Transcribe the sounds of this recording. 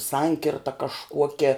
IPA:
ˈsɐŋʲkʲɪrtɐ kɐʃˈkuɔkʲɛ

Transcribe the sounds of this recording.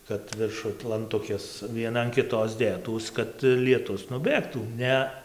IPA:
kɐt ʋʲɪrˈʃʊj lˠɐnˈtʊkʲeːs ʋʲiɛˈnɐ ɐn kʲɪˈtoːs ˈdʲeːtuːs kɐt lʲiɛˈtʊs nʊˈbʲeːktuː ˈnʲɛ

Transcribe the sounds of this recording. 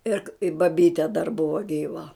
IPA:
ˈɪr ɪ bɐˈbʲiːtʲɛ dɐr ˈbʊʋɐ ˈɡʲiːʋɐ

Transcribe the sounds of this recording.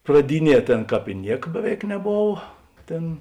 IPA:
prɐˈdʲɪˌnʲiɛ ˈtʲeːn ˈkɑːp ɪ ˈnʲiɛk ˈbʲæːˌʋʲɛɪk nʲɛˈboːʋɐ ˈtʲeːn

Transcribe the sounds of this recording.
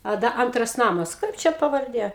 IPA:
ɐ ˈdɐ ˈɐntrɐs ˈnɑːmɐs ˈkɐɪp t͡ʃʲɛ pɐʋɐrʲˈdʲeː

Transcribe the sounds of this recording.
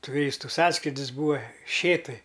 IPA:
tʊˈrʲiːstʊ ˈsɑːskrʲiːdʲɪs ˈbuːʋɐ ˈʃʲeːtʊj

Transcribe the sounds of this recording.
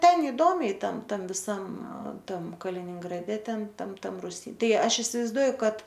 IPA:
ˈtʲɛn ɪˈdoːmʲɛɪ ˈtɐm ˈtɐm ʋʲɪˈsɐm ˈtɐm kɐlʲɪnʲɪŋɡrɐˈdʲɛ ˈtʲɛn ˈtɐm ˈtɐm rʊˈsʲiː ˈtɐɪ ˈɐʃ ɪsʲɪʋɐɪzˈduɔjʊ ˈkɐt

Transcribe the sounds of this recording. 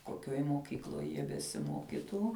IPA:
koːˈkʲoːj moːˈkʲiːklˠoːj jiɛ bʲɛsʲɪˈmoːkʲɪtuː

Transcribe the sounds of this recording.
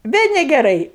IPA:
ˈʋʲeː nʲɛɡʲɛˈrɐɪ

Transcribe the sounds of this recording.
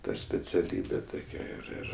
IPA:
ˈtɐ sʲpʲɛt͡sʲɛˈlʲiːbʲɛ ˈtoːkʲɛ ɪr ˈɪr

